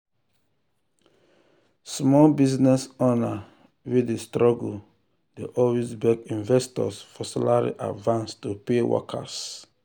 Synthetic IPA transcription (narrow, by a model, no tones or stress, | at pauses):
smɔlbiznɛsɔna | widestɹɔɡul | deʔɔlwezbɛkĩnvɛstɔ̰sfɔsalaɹḭʔa̰dvãnstupewɔ̰kʰa̰s